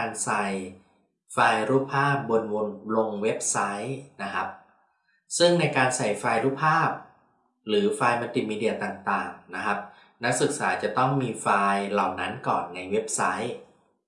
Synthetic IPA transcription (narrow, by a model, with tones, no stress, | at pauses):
nsa˧j | faː˧jɾuː˥˩pʰːaː˥˩p̚bo˧nwo˧nlo˧ŋwe˦˥p̚sa˦˥jna˦˥kʰa˦˥p̚ | sɯ˥˩ŋna˧jkaː˧nsa˨˩jfaː˧jɾuː˥˩pʰːaː˥˩p̚ | ɾɯː˩˦faː˧jma˧nt̪i˨˩miː˧di˧˩ɐt̪aː˨˩ŋt̪aː˨˩ŋna˦˥kʰa˦˥p̚ | na˦˥k̚sɯ˨˩k̚saː˩˦t͡ɕa˨˩t̪ɔ˥˩ŋmiː˧faː˧jla˨˩wna˦˥nkɔ̰ː˨˩nːa˧jwe˦˥p̚sa˦˥j